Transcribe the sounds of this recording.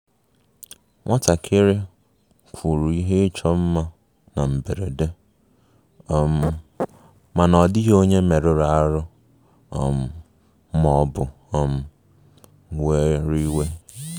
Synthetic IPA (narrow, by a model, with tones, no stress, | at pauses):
ŋʷɔ˦ta˨kʰɪ˦ɾɪ˦ | kʷʰu˨ɾu˨i˦ɦe˦t͡ʃɔ˦m̩˦ma˦ | na˨m̩˨be˨ɾe˨de˦ | ɔ˨m̩˨ | ma˨nɔ˨dɪ˦ɦo˦ɲe˦me˨ɾɪ˨ɾa˨a˦ɾʊ˦ | ɔ̰˨m̩˨˦ | mɔ˦bʊ˨ | ɔ˨m̩˦ | we˦ɾi˦we˦